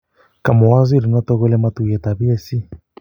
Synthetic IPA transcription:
ka˨mɔ˨wa˦zi˦ɾi˨nɔ˦tɔ˦ɣɔ˦lɛ˦ma˦tu˨jɛ˨ta˨βi˦ɛ˦si˦

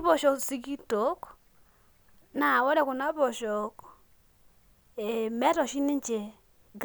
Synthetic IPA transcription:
bɔ˨ʃɔ˨ksi˦ɡi˦to˨˦k | na˨wɔ˦ɾɛ˦kʊ˨na˦bɔ˨ʃɔ˨k | e˨mɛ˦tɔ˨ʃi˦nɪ˦nt͡ʃe˨ | ɡ

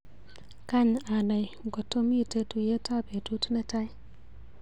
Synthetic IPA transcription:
ka˦ɲa˨na˨jŋɡɔ˨to˦mi˦te˦tu˨je˦ta˦be˨tu˦tmɛ˦ta˦j

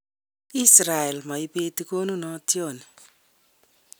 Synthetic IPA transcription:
i˦sɾa˨ɛ˨lma˨i˦be˦ti˦ko˦nu˦nɔ˦tjo˦˨ni˨

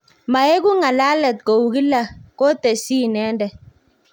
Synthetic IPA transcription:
ma˨e˦ɡu˦ŋa˨la˦lɛ˨t̪̚ko˨wu˨ɡi˦la˦˨ko˦t̪e˨si˦nɛ˨˦ndɛ˨

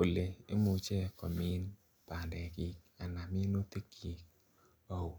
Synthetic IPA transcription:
po˨le˨e˦mo˧t͡ʃɛ˦kɔ˨mi˦n | pa˨dɛ˨ɡi˧˦k̚ | a˨na˨mi˦no˦t̪e˦kʰi˨k̚ | o˨w

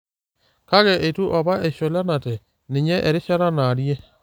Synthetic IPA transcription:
ka˦ɣɛ˨ʔe˨tu˦ʔa˨βa˦ʔe˨ʃɔ˨la˦na˨tɛ˨ | ni˨ɲɛ˦ʔɛ˨ɾe˦ʃa˦ɾa˦na˨ɾjɛ˦

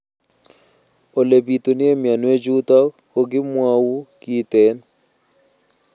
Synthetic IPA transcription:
o˨le˨bi˨t̪o˨nɪ˦e˦mja˨nwe˦d͡ʒu˦t̪ɔ˦kkːo˨ɡɪ˦mwa˦wu˦ki˦t̪e˨n

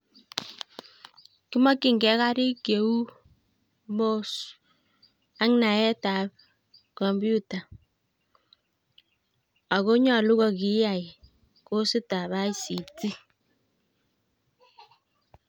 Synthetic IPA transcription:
ki˦mɔ˦kːi˨ŋɡɛ˨˦ka˦ɾi˦kje˨u˦ | mo˦s | a˦ŋna˨ɛ˦ta˨p̚ | kɔ˨mbju˦ta˨ | a˨ko˦ɲɔ˨lu˦ɣɔ˨ki˦ja˨j | ko˦si˦ta˨ba˦i˦si˨ti˦

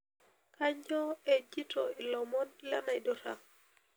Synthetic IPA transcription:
kʰa˦ɲɔ˦e˨d͡ʒi˦tʰɔ˨i˨lɔ˨mɔ˦nla˦na˨i˨dɔ˦ɾa˨

